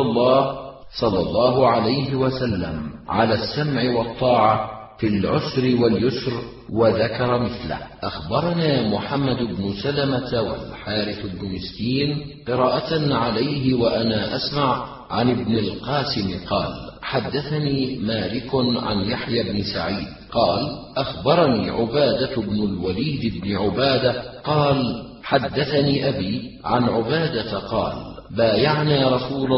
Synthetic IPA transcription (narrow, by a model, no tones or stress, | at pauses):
lˤːɑːh | sˤɑlːɑlˤːɑːɦʊʕalajɦɪwasalːa̰mʕalaːsːamʕɪwɑt̪ˤːɑːʕa | filʕʊsɾɪwaljʊsɾ | waðakɑɾˤɑmɪθla̰hʔaxbɑɾˤɑnaːmʊħamːad̪ɪbnʊsalamat̪wa̰lħaːɾɪθad̪nʊnɪst̪iːnqɨɾˤɑːʔaʕalajhɪwaʔanaːʔasmaʕ | ʕanɪbnɪlqɑːsɪmɪqɑːlħad̪ːaθaniːmaːlɪkʊʕa̰njaħjabnɪsa̰ʕiːd̪̚ | qɑːlʔaxbɑɾˤɑniːʕʊbaːd̪abnʊlwaliːd̪ɪbnɪʕʊbaːd̪aqɑːl | ħad̪ːaθaniːʔabiːʕa̰nʕʊbaːd̪aqɑ̰ːlbaːjaʕnaːɾˤɑsuːl